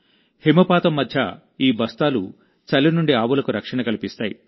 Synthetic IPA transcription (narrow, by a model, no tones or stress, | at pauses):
himɐpaːt̪ɐmːɐd̪ʱjɐ | iːbɐst̪aːlu | t͡ʃɐlːinuɳɖiaːʋulɐkuɾɐkʂɐɳɐkɐlipist̪aːjḭ